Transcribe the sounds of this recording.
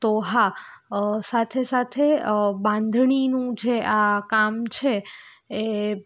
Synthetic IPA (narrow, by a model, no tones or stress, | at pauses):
t̪oɦa | sat̪ʰesat̪ʰeəbãnd̪ʱɳ̃inũd͡ʒeakamt͡ʃʰeː